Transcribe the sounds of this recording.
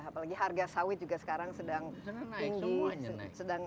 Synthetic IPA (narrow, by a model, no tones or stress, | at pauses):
apalaɡiɦarɡasawɪt̪̚d͡ʒuɡasə̥kaɾaŋsədaŋiŋɡusədaŋ